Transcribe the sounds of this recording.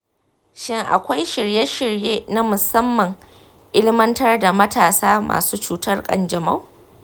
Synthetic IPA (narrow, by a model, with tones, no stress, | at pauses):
ʃɪ˦ŋʔa̰˨kʷa˦jʃɪ˨ɽje˦ʃɪ˨ɽjeː˦na˦mʊ˨sɐ˦mːɐ˨ŋ | ʔɪ˦lmɐ˦ntɐ˦rda˨mɐ˦taː˨saː˦mʔa̰ː˨suː˦t͡ʃuː˦tɐ˦rkʼɐ̰˦nd͡ʒɐ˨ma˦˨w